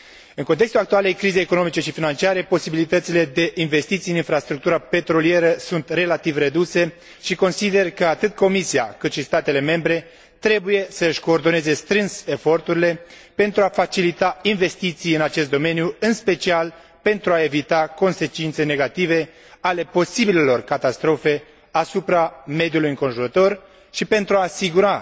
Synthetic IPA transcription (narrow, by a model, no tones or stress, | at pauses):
ɨnŋkont̪e̞kst̪ulakt̪uale̞jkɾize̞jekono̞mit͡ʃe̞ʃifinant͡ʃiaɾe̞po̞sibilit̪ət̪sile̞d̪e̞ʔinve̞st̪it̪sijɨninfɾast̪ɾuk̚t̪uɾape̞t̪ɾo̞lie̞ɾəsunt̪re̞lat̪ivre̞d̪use | ʃiko̞nsid̪e̞rkəat̪ɨt̪ko̞misia̰kɨt̪ʃist̪at̪e̞le̞me̞mbɾe̞ | t̪ɾe̞buje̞səɨʃʲko̞ːrd̪o̞ne̞ze̞st̪ɾɨnse̞fo̞rt̪uɾile̞ | pe̞nt̪ɾuafat͡ʃilit̪ainve̞st̪it̪sijɨnat͡ʃe̞s̬t̪d̪o̞me̞njuɨnspe̞t͡ʃial | pe̞nt̪ɾuae̞vit̪ako̞nse̞t͡ʃint̪se̞ne̞ɡat̪ive̞ | ale̞po̞sibile̞lo̞rkat̪ast̪ɾo̞fe̞ | asupɾame̞d̪julujɨŋko̞nʒuɾət̪o̞r | ʃipe̞nt̪ɾuaːsiɡuɾa